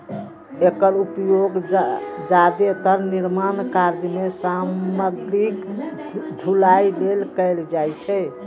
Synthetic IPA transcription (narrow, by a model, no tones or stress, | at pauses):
ekəɾupjoɡd͡ʒad̪et̪əɾniɾmankaɾd͡ʒmesaməɡɾik | ɖʱulajlelkəɪld͡ʒajt͡ʃʰɛ